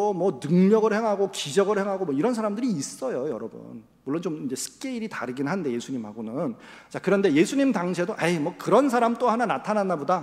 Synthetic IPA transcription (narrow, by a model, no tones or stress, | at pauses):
omwʌnɯŋɲʌɡɯɭhe̞ŋɦaɡokid͡ʑʌɡɯɭhe̞ŋɦaɡomʌiɾʌns̬ʰaɾamdɯɾiːs͈ʌjojʌɾʌbṵn | muɭːlːont͡ɕomind͡ʑe̞sʰɯ̥k͈eiɾitaɾɯɡinɦannde̞je̞sʰuɲimɦaɡonɯnt͡ɕakɯɾʌnde̞je̞sʰuɲimdaŋɕʰedoʔajmwʌkɯɾʌnsʰaɾamt͈ohananatʰananːaboda